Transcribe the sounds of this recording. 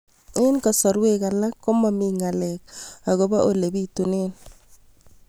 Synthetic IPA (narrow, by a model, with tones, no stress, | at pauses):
e˦nkɔ˨sɔ˨ɾwe˦ka˨la˦kːo˦ma˨mi˨ŋa˨lɛ˨k̚a˨ɣo˦ba˦ʔo˨le˨bi˦tu˨ne˦n